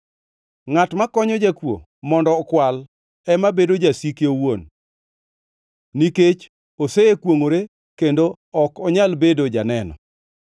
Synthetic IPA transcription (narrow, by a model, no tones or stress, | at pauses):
ŋatmakɔɲɔd͡ʒakwo̰ | mɔndɔːkwal | ɛmabedod͡ʒasikeowon | iket͡ʃ | oseekwoŋoɾe | kendo | ɔkɔɲalbedod͡ʒanɛnɔ̰